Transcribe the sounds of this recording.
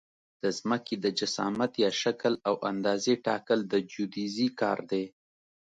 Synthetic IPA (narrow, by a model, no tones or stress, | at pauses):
d̪̥əzməked̪əd͡ʒasɑ̰mat̪jɑʃakəlawʔand̪ɑzeʈɑkəld̪əd͡ʒud̪izikɑ̰ɾd̪e